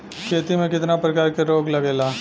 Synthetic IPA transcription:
kʰeːt̪imẽkɪt̪napɾɐkaːɾkeɾoːɡlɐɡeːlaː

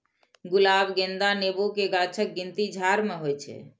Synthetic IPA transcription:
ɡulabɡẽnd̪anebokeɡat͡ʃʰək̚ɡint̪id͡ʒʱaɾmeɦojt͡ʃʰɛ̰

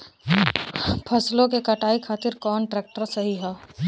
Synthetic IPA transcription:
pʰɐslõkekɐʈaːikʰaːt̪ɪɾkɔːnʈɾeːk̚ʈəɾsɐɦiɦɛː

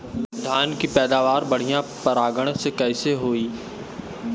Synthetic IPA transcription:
d̪ʱaːnkipɛːd̪aːʋaːɾbɐɽ̤ijãpɐɾaːɡəɽ̃sekɛːseɦoːiː

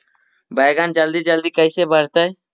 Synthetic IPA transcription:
baːɡaːnd͡ʒəld̪iːd͡ʒəld̪iːkəisebəɾt̪aɛ

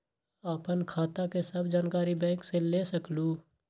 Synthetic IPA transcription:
aːpənkʰaːt̪akesəbd͡ʒaːnkaːɾibɛ̃ːkselesəkluː

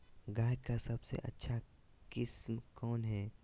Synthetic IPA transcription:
ɡaːjkasɐbsḛʔɐ̰tːʃʰa | kɪsmkɔːnɦɛː

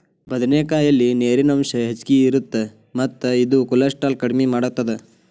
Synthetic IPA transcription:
bɐd̪ɐneːkaːjɐlːineːɾinɐmʃɐɦet͡ʃkiiɾut̪ːe | mɐt̪ːɐid̪ukulɐsʈaːlkɐɽmimaːɽut̪ːɐd̪e

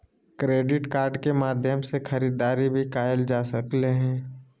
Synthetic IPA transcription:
kɾeːɖɪʈkaːɾɖkemaːd̪ʱjəmsexɐɾiːd̪aːɾibʱikaːjəld͡ʒaːsɐkleɦɛ̃ː

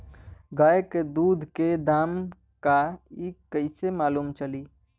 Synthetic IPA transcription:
ɡaːeked̪uːd̪ʱked̪aːm | kaikəɪsemaːluːmt͡ʃəli

